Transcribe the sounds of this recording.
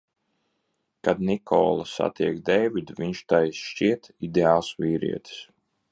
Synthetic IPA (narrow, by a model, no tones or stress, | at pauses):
kad̪nikʰɔ̰ːlˠasa̰t̪iɛkd̪ɛjvid̪vʲiɲʃt̪ajsʃt͡ʃiɛt̪id̪eaːlˠsvʲiːɾḭɛt̪i̥s